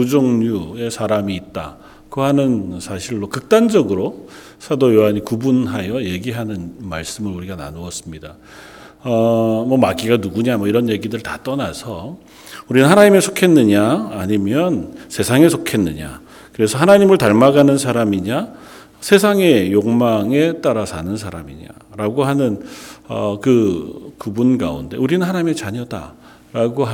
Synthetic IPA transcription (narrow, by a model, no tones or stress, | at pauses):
kud͡ʑoŋɲue̞sʰaɾamiːt̚t͈a̰ | kɯhanɯnsʰaɕʰiɭːokɯk̚t͈and͡ʑʌɡɯɾo | sʰadojoɦaɲikubunɦajʌje̞ɡiɦanɯnmaɭs͈ɯmɯɾuɾiɡana̰nuʌs͈ɯmɲida | ʌmʌmaɡiɡanuɡuɲamʌiɾʌnje̞ɡidɯɭtat͈ʌnasʰʌ | uɾinɯnɦanaɲime̞sʰokʰe̞nːɯɲaːɲimjʌnsʰe̞sʰaŋe̞sʰokʰe̞nːɯɲa̰ | kɯɾe̞sʰʌhanaɲimɯɭtaɭmaɡanɯnsʰaɾamiɲa | sʰe̞sʰaŋe̞joŋmaŋe̞t͈aɾasʰa̰nɯnsʰaɾa̰mḭɲa̰ɾaɡoɦanɯnʌkɯkubunɡa̰unde̞̰uɾinɯnhanaɲimet͡ɕaɲʌda̰ | ɾaɡoɦ